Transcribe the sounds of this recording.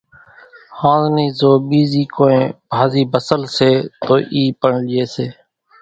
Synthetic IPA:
hãːzniːzoːɓiːziːkoːẽːbʱaːziːbəsəlseːt̪oːʔiːpəɳlɪeːseː

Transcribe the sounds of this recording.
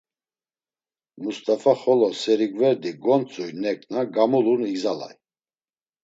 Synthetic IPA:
must̪ʼafaχɔlɔsɛɾiɡvɛɾd̪iɡɔnt͡sʼujnɛkʼnaɡamuluniɡzala̰j

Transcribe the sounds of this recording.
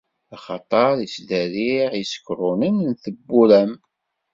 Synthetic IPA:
χɑ̰t̪ˤɑɾˤisðæɾiʁisə̥kɾˤʊnənnθəbːuɾæm

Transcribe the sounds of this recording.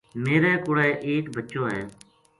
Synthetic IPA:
meːɾɛːkʊɽɛːʔeːkbʱətːt͡ʃõːɦɛ̰ː

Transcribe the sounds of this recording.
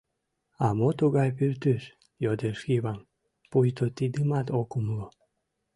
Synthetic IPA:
ɑmot̪uɣɑjpyrt̪yʃ | jod̪eʃiβɑm | pujt̪ot̪id̪ɨmɑt̪okumlo

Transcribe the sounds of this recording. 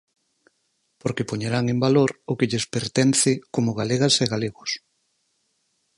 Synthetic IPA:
poɾkepoɲeɾaŋembaloɾʊkeʎespeɾt̪ɛn̟θɪkomʊɣaleɣɐseɣaleɣʊs

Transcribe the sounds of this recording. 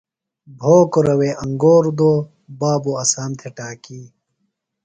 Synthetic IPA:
bʱoːkoɾɐweːʔɐŋɡoːɾd̪oː | baːboɐsaːmt̪ʰeʈaːkiː

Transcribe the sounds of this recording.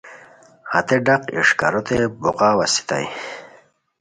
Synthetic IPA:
ha̰t̪eɖaqḭʂkaɾot̪ebuqawasi̥t̪a̰j

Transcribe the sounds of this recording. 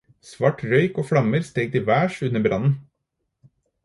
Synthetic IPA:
sʋɑʈɾœʏkoːfɽɑməɾst̪eːɡ̚t̪iːʋæːʃʉnːəbɾʔɑnn̩

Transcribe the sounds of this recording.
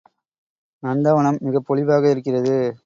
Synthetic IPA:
nɐnd̪ɐʋɐɳɐmːɪɣɐpːɔɭɪʋaːɣɐɪɾɯkːɪrɐðɯ

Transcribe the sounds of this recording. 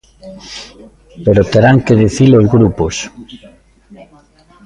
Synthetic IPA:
peɾot̪eɾaŋkeðiθilozɣɾupos

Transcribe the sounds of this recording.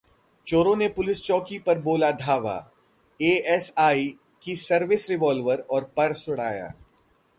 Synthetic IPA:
t͡ʃoːɾõnepʊlɪst͡ʃɔːkipɐɾboːlad̪ʱaːʋa̰ː | eːɛsaːi | kisɐɾʋɪsɾɪʋɔːlʋəɾɔːɾpɐɾsʊɽ̤aːja̰ː

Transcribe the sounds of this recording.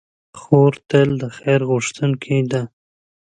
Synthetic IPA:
xoɾt̪əld̪əxajɾɣʊʂt̪ənkʰid̪a

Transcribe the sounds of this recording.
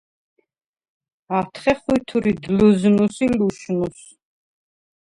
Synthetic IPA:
at̪ʰχɛχut̪ʰuɾid̪luznusiluʃnus

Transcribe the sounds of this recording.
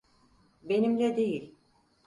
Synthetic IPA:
be̞nimlʲɛd̪e̞jilʲ

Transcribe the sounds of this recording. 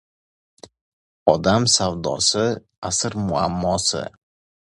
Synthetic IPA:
ɒd̪amsawd̪ɒ̰sɪ | asɾmʊa̰mːɒsɪ̰

